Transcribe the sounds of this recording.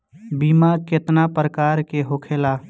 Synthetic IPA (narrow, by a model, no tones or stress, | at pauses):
biːmaket̪napɾəkaːɾkeɦokʰela